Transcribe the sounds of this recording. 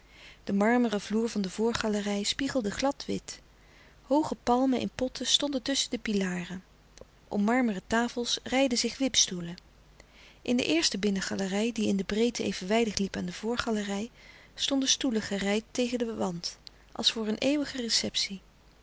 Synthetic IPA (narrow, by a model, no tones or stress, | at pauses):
d̥əmɑɹmərəvluːɹvɑndəvʊːɹχɑlərɛjspiχəlˠdəχlɑtʋɪ̰t | howχəpɑlˠməʔɪ̰npɔtʰəstɔndətɵsədəpilaːrə | ʔɔ̰mmɑɹmərətaːfəlˠsrɛjdəzɪχʋɪpstulə | ʔɪndə̰ʔɪːɹstəbɪnəχɑlərɛjdiɪndəbrejtəejvənʋɛjdəχlipaːndəv̥ʊːɹχɑlərɛj | stɔndəstuləχərɛjtːejχəndəʋɑnt | ʔɑ̰lˠsfʊːɹənʔeːʋəχərɛsɛpsi